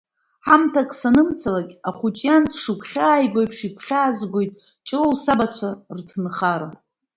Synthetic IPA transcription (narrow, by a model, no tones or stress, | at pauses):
ħamtʰakʼsanɨmt͡sʰalakʲʼaχʷut͡ʃʼjantʰʂɨkʷʰχʲaːjɡʷo̞jpʰʂikʷʰχʲaːzɡʷojtʼ | t͡ʃʼɨlowsabat͡ɕʷʰartʰɨnχaɾa